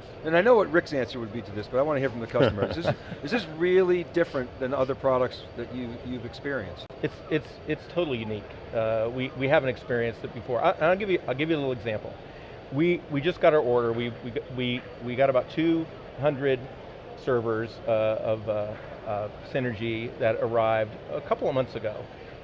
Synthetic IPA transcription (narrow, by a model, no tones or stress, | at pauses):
ɨ̃naɪnoʊwʌt̚ɹɪksæ̃nsə˞wɨd̚biɾɨðɪsb̥ʌɾaɪwɑ̃nɨhiɹfʌ̃m̩ðɨkʰʌstəmə˞sɨzðɪsɨzɹɪlˠidɪfɹɨ̃nðɨ̃nʌðə˞pʰɹ̥ɑɾək̚tsðɨt͡ʃɨɨvɨkspɪɹiɨ̰̃nstɨtsɨts | ɨtstʰoʊɾl̩ˠijʉnik | ʌwiwiɦævɨ̃n̩tɨkspɪɹiɨ̃nsɨt̚b̥ɨfɔɹʔaɪʔə̃naɪlˠɡɪvjɨʔaɪlˠɡɪvjɨəlɪl̩ˠɨɡzæ̃mpl̩ˠ | wiwid͡ʒʌsɡ̥ɑɾə˞ɔɹɾə˞wiwiwi | wiɡɑɾəbaʊtʰʉ | ɦʌ̃ndɹɨd | sɜ˞və˞zʌv | sɪ̃nə˞d͡ʒiðɨɾə˞aɪvdə̰kʰʌpl̩ˠʌvmʌ̃nθsɨɡoʊ